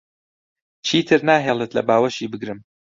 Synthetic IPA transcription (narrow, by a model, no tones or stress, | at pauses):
t͡ʃʰiːt̪ʰɨɾnaːɦeːlˠɨt̪lɐ̰baːwɐʃiːbɨɡɾɨm